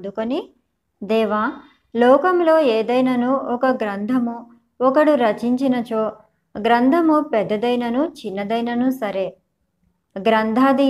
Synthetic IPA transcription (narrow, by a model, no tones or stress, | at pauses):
d̪ukoni | d̪ɛːʋaː | lɔːkɐmlo̞ːeːd̪ɐjnɐnuʔɔkɐɡɾɐnd̪ʱɐmu | ɔkɐɽuɾɐt͡ʃiɲt͡ʃinɐt͡ʃoː | ɡɾɐnd̪ʱɐmupɛd̪ːɐd̪ɐjnɐnut͡ʃinːɐd̪ɐjnɐnusɐɾe̞ː | ɡɾɐnd̪ʱaːd̪i